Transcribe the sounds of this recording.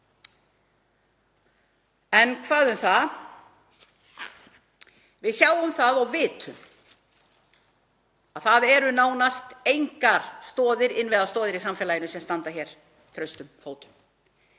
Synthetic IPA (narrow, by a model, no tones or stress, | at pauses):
ɛnkʰvaːðʏmθað | vɪðsjaːwʏmθaðɔɣvɪːt̪ʏm | aðθaðɛɾʏnaːwnast̪ejŋkaɾ̥st̪ɔːðɪɾɪnvɛɣðast̪ɔːðɪɾisamfɛːlajɪnʏsɛmst̪ant̪açɛɾ̥ | t̪ʰɾœɥst̪ʏmfoːwt̪ʏ̥m